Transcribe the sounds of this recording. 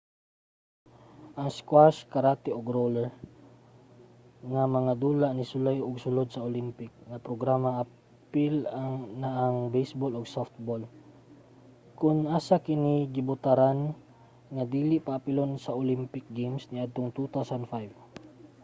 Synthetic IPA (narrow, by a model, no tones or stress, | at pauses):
ʔɐŋskwaskɐɾat̪ɪoɡɾolɛɹ | ŋamɐŋad̪uːlaʔnɪsʊlajʊɡsʊlod̪̚sɐolimpɪk̚ŋapɾoɡɾamaɐ | pɪlanaʔaŋbɛjsboloɡsoft̪̚bol | kʊnʔaːsakɪniɡɪbʊt̪aɾan | ŋad̪iːlɪʔpaʔːpɪlonsɐʔolimpɪk̚ɡemsnɪʔad̪̚t̪oŋt̪ut̪awsand̪fajv